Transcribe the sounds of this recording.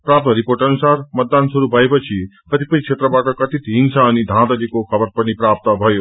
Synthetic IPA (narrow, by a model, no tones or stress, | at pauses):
pɾap̚t̪ʌɾipoɾʈʌnusaɾmʌt̪̚d̪ansuɾubʱʌepʌt͡sʰikʌt̪ʰipʌnĩt͡ʃʰet̪ɾʌbaʈʌkʌt̪it̪ɦiŋsʰaːnid̪ʱãd̪ʌlikokʰʌbʌɾpʌnipɾap̚t̪ʌbʱʌjo